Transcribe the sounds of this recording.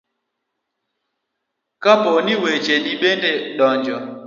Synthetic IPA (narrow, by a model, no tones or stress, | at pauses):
kapɔniwet͡ʃeɗiɓendeɗɔɲd͡ʒɔ